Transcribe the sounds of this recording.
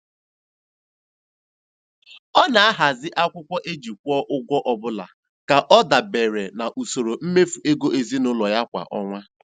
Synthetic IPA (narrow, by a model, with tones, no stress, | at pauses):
ɔ˦na˨a˦ɦa˨zɪ˦ʔa˦kʷʊ˦kʷɔ˦ʔe˦d͡ʒi˨k̚ʷɔ˦ʔʊ˦ɡʷɔ˦ʔɔ˨bʊ˦la̰˨ | ka˨ʔɔ˦da˨be˨ɾe˨na˨ʔu˨so˨ɾo˨m̩˦me˦fu˨e˦ɡo˦ʔe˨zi˦nʊ˦lɔ˨ja˦kʷa̰˨ʔɔ̰˦ŋʷa˦